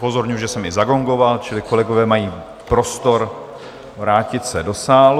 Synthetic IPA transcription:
po̞zo̞ɾɲuuʒɛsɛmɪzaɡo̞ŋɡo̞valt͡ʃɪlɪko̞lɛɡo̞vɛːmajiː | pɾo̞st̪o̞ɾ | vɾaːcɪt̪sɛdo̞saːl

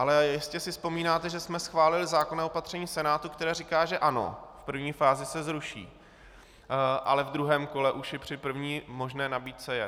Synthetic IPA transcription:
ʔalɛjɪscɛsɪfspo̞miːnaːt̪ɛʒɛsmɛsxvaːlɪlɪzaːkonaopat̪r̥ɛɲiːsɛnaːt̪ukt̪ɛɾɛːɾikaːʒɛʔano̞̰fpr̩vɲiːfaːzɪsɛzɾuʃḭː | ʔa̰lɛvd̪ɾuɦɛːmko̞lɛʔuʃjɛpr̝̥ɪpr̩vɲiːmo̞ʒnɛːnabiːt̪̚sɛjɛ

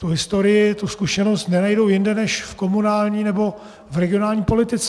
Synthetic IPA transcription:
t̪uɦɪst̪oɾɪjɪt̪uskuʃɛno̞st̪nɛnajdowjɪndɛnɛʃfkomunaːlɲiːnɛbo̞ | vɾɛɡɪo̞naːlɲiːpo̞lɪt̪ɪt͡sɛ

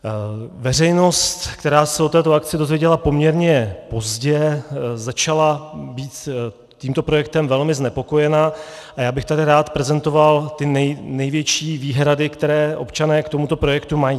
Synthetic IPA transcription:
vɛr̝ɛjno̞st̪kt̪ɛɾaːsɛot̪ɛːt̪o̞ak̚t͡sɪdo̞zvjɛɟɛlapo̞mɲɛɾɲɛpo̞zɟɛzat͡ʃalabiːt̪ | cːiːmt̪o̞pɾo̞jɛk̚t̪ɛmvɛlmɪznɛpo̞ko̞jɛna | ʔajaːbɪxt̪adɪɾaːt̪pɾɛzɛnt̪o̞valt̪ɪnɛjnɛjvjɛt͡ʃiːviːɦɾadɪkt̪ɛɾɛːʔo̞̰pt͡ʃanɛːkt̪o̞mut̪opɾo̞jɛkt̪umajiː

